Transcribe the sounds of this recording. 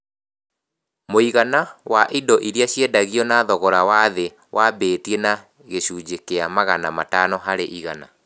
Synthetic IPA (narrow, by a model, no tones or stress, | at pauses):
moiɣanawaʔidɔʔiɾiaɕjedaɣiɔnaðɔɣɔɾawaðe | wʔabeːtiena | ɣeɕuːd͡ʑekeamaɣanamatanɔɦaɾeʔiɣana